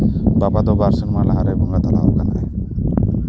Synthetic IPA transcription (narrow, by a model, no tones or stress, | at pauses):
babad̪ɔbaɾsinmalaɦaɾejbʱɔŋɡat̪ɔlaɦokana̰j